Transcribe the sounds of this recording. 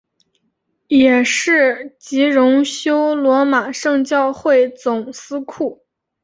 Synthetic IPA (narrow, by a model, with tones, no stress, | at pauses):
jɛ˨˩ʂɻ̩˥˩t͡ɕi˧˥ɻʊ˧˥ŋɕjo˥ʊlwɔ˧˥ma˨˩ʂɤ˥˧ŋt͡ɕjɑ˥˧ʊxwe˥˩ɪt͡sʊ˨˩ŋsɹ̩˥kʰu˥˩